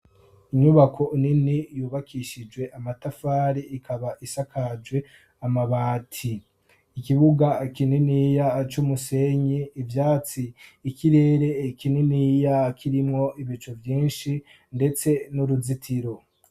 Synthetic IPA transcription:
iɲuβakʰo̞ʔininijuːβakʰiʃid͡ʒwe̞ʔamatafaːɾiʔikʰaβaʔisakʰad͡ʒɡwe̞ | amaβaːtʰiː | kiβuɡakininiːjat͡ʃumuse̞ɲiːvjaːt͡siːkiɾe̞ːɾe̞kininijakʰiɾimŋo̞iβit͡ʃovjiːnʃi | nde̞t͡se̞nuɾuzitʰiɾo̞

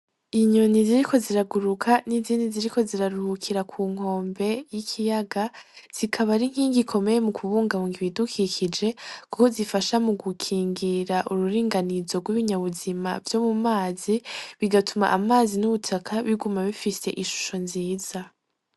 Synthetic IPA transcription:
iɲoniziɾikʰo̞ziɾaɡuɾukʰaniziːndiziɾiko̞ziɾaɾuhukʰiɾakʰuːŋ̥ho̞ːmbe̞jikʰijaɡaz̥ikʰaβaɾiŋ̥hiːŋɡikʰo̞me̞jemukʰuβuːŋɡaβuŋɡiβidukʰikʰid͡ʒe̞kuko̞zifaʃamuɡukʰiːŋɡiɾaʔuɾuɾiːŋɡanizo̞ɡwiβiɲaβuzima̰vjo̞mumaːziβiɡatʰuma̰ʔamaːzinuβutʰakʰaβiɡumaβifise̞̰ʔiʃu̥ʃo̞nziːz̥a

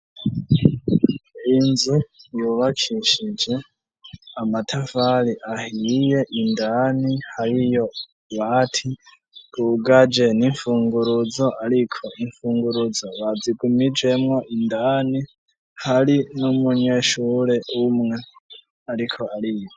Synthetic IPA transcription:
inzijuːβakʰiʃid͡ʒe̞ | amatʰafaliʔahije̞ʔindanihaɾijo̞ | βatʰi | ɾuɡad͡ʒe̞niɱfuːŋɡuɾud͡zo̞ʔaɾikʰo̞iɱfuːŋɡuɾud͡zoβad͡ziɡumid͡ʒwe̞mŋo̞ʔindani | haɾinumuɲe̞ʃuːɾe̞umŋe̞ | aɾikʰo̞aɾijo

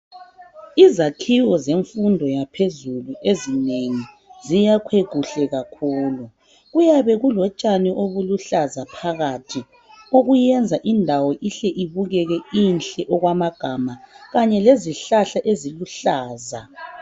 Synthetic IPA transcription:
izakʰiwɔzeɱfundʱɔjapʰezuluezineŋi | zijakʰweɡ̥ʱuɬɛɣakʰuːlu | ɣujaβɛɣulɔt͡ʃʼanɛʔoβuluɬazapʰaɣatʰi | oɣujɛnd͡zʱaʔindʱawɔʔiɬɛʔiβuɣɛɣɛinɬʼɛʔɔɣwamaɡ̥ʱamaɣaɲɛleziɬaɬaʔeziluɬaːza

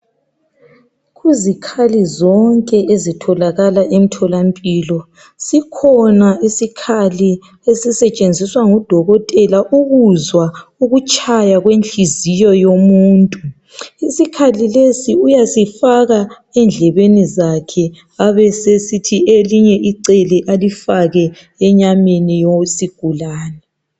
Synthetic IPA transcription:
ɣuzikʰalizɔŋkʼɛʔezitʰɔlaɣalaʔem̩tʰɔlampʼilɔ | sikʰɔnaisikʰali | esisɛt͡ʃʼend͡zʱiswaŋud̥ʱɔɣɔtʼɛlaʔuɣuzwauɣut͡ʃʼajaɣwenɬizijɔjomuːntʼu | isikʰalilesiujasifaɣa | ɛnd͡ɮʱɛβenizakʰɛ | aβɛsesitʰieliɲɛʔiǀɛlɛʔalifaɣɛ | ɛɲamenijosiɡ̥ʱulaːnɛ

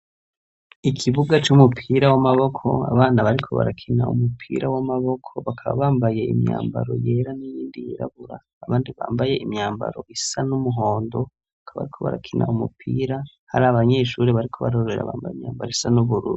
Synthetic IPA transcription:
ikʰiβuɡat͡ʃumupʰiɾawamaβo̞kʰo̞̰a̰βaːnaβaɾikʰo̞βa̰ɾakʰinaumupʰiːɾawamaβo̞kʰo̞βakʰaβa̰βaːmbaje̞imɲa̰ːmba̰ɾo̞̰je̞ːɾanijiːndijiɾa̰βuɾaːβaːndiβa̰ːmbaje̞ʔimɲaːmba̰ɾo̞ʔisanumuɦo̞ːndo̞ | akʰaβa̰ɾikʰo̞βa̰ɾakʰinʔa̰umupʰiːɾa | ha̰ɾaaβaɲe̞ːʃuːɾeβaɾikʰo̞βaɾoɾeɾa̰βaːmbajimɲaːmbaɾoisanuβuɾṵːɾu

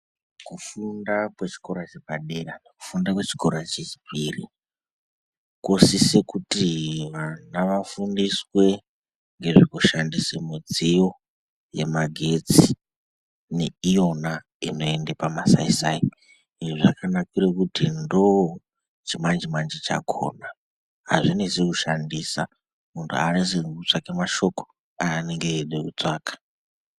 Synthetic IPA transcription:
kufundakwet͡ʃi̥ko̞ɾat͡ʃepaɗeraneku̥fundakwe̞t͡ʃi̥ko̞ɾat͡ʃet͡ʃi̥piri | kosise̞kutiʋanaʋafundiswe̞ | ŋɡe̞ʐikuʃandisemud͡zijo̞ | je̞̰maɡʱe̞t͡si | neijona | ino̞endepamasa̰isaːi | iʐiʐakʰanakiɾekutʰindo | t͡ʃʰimand͡ʒimand͡ʒit͡ʃa̰kʰo̰ːna | ɦa̰zʷinisikuʃandisa̰ | muntʰṵa̰nesikut͡sakemaʃoko̥ | aːneŋɡeɗekut͡saːkḁ

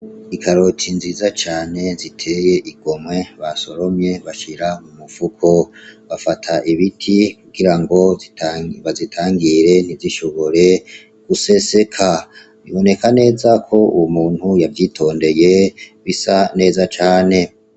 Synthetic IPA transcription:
ikaɾo̞tʰinziːzat͡ʃaːne̞zitʰe̞je̞ʔiɡo̞mwe̞βaso̞ɾo̞mje̞βaʃiɾamumufukʰo̞βafatʰaʔiβitʰikuɡiɾaŋɡo̞ | βazitʰaːŋɡiɾe̞n̥iziʃo̞βo̞ɾe̞ | ɡ̥use̞se̞kʰa | βiβo̞ne̞kane̞ːzakʰo̞uwumuːnhujavjiːtʰo̞ːnde̞je̞βisane̞ːzat͡ʃaːne̞

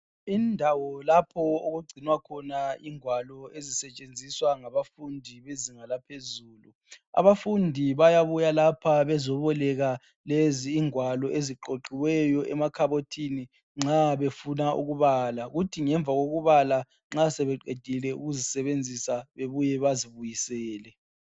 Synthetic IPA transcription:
indʱawɔlapʰɔoɣuɡ͡ǀʱinwakʰɔnaiŋwalɔezisɛt͡ʃʼend͡zʱiswaŋaβafundʱiβeziŋalapʰezuːlu | a̰βafundʱiβajaβujalapʰaβɛzɔβɔlɛɣa | leziːŋwalɔʔeziǃoǃiwɛjɔʔɛmakʰaβotʰini | ŋ͡ǁaβefunaʔṵɣuβaːlaɣutʰiŋɛɱvʱaɣoɣuβala | ŋ͡ǁasɛβɛǃed̥ʱilɛṵɣuzisɛβend͡zʱisaβeβujɛβaziβujisɛːlɛ

